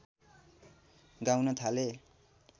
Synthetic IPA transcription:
ɡawnʌt̪ʰale

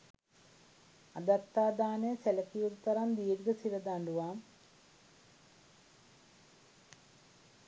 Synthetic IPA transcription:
ɐd̪ɐt̪ːaːd̪aːneselɐkijut̪ːɐɾɐmd̪iːɾɡɐsiʋɐd̪aɳɖuʋaːm

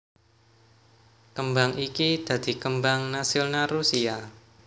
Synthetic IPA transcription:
kəmbaŋikid̪̥a̤d̪̥i̤kəmbaŋnasɪlnarusia

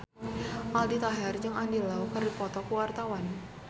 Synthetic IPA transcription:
ʔaldit̪aɦɛrd͡ʒɨŋandilaukərdipɔt̪ɔkuwart̪awan

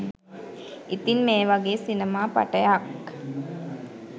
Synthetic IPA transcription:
it̪inmeːʋaɡeːsinemaːpa̰ʈəjak

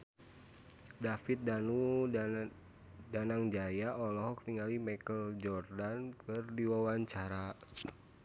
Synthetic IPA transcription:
dafit̪̚danu | danaŋd͡ʒajaʔɔlɔɦɔkniŋalimakəld͡ʒɔrdankɨrdiwawaɲt͡ʃaɾa

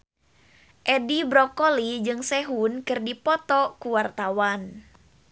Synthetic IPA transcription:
ʔɛdibɾɔkolid͡ʒɨŋsɛɦunkɨrdipɔt̪ɔkuwart̪awan

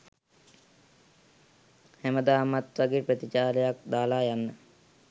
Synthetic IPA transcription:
hæməd̪aːmat̪ʋaɡeːprət̪it͡ʃaːləjak̚d̪aːlaːjanːə

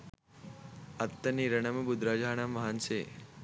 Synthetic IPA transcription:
ɐt̪ːɐniɾɐɳɐmebud̪ɾad͡ʒaːɳamːɐɦanse

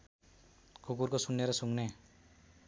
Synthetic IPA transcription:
kʰukurkosunːeɾʌsuŋne

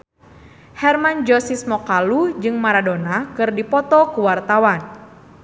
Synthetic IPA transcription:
hɛrmand͡ʒɔsismɔkalud͡ʒɨŋmaɾadonakɨrdipɔt̪ɔkuwart̪awan

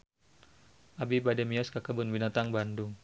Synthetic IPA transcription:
ʔabibadɛmiɔskakəbʊnbinat̪aŋbandʊŋ

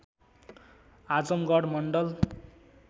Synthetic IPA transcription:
ad͡zʌmɡʌɽmʌɳɖʌl

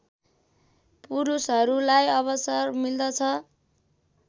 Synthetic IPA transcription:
puɾusɦʌɾulajʌβʌsʌrmild̪ʌt͡sʰʌ

